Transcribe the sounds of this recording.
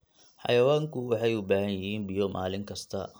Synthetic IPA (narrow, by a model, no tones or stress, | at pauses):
ħɑ̰jɐwaːŋkʰʊwɑħɑjʊbaːhɐnjɪɦiːnbɪjɔmʔa̰ːlɪŋkʰɐst̪ʰɐ